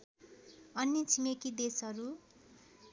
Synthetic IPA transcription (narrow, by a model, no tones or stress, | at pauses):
ʌnːit͡sʰimekid̪esʌɾu